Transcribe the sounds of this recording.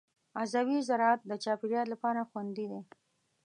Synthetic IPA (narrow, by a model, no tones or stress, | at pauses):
azawizaɾɑat̪̚d̪ət͡ʃɑpɪɾjɑtlapɑɾaxwand̪id̪e